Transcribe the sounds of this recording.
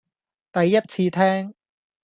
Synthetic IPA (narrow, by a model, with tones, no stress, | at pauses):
t̪ɐ˨jːɐ˥t̚t͡sʰiː˧t̪ʰɛː˥ŋ